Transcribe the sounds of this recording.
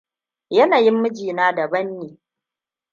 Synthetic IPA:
jɐ˦naː˨jɪ˦mːʊ˦d͡ʒiː˨naː˦dɐ˨bɐ˦nːeː˨

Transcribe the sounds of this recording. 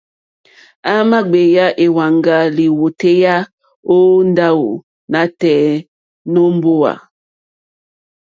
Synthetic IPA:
a˦ma˦ɡ͡be˨ja˦ʔe˨wa˨ŋɡa˨li˨wo˨te˦ja˦ | o˦n˦da˦wo̰˨ | na˨˦tɛ˨˦ | no˦m˦bo˦wa̰˨

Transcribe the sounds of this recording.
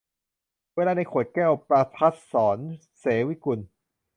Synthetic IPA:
weː˧laː˧na˧jkʰo˨˩t̪̚kɛː˥˩wpɾa˧t̪ʰa˦˥t̪̚sɔː˩˦n | seː˩˦wi˦˥ku˧n

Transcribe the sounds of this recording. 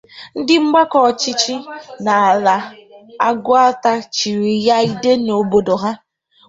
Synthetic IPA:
n̩˦dɪ˦ŋ͡m̩˦ɡ͡ba˦kɔ˨t͡ʃi˦t͡ʃi˦na˨a˨la˨a˦ɡʊ˦a˦ta˦t͡ʃi˨ɾi˨ja˦i˦de˦no˨bo˨do˨ɦa˦

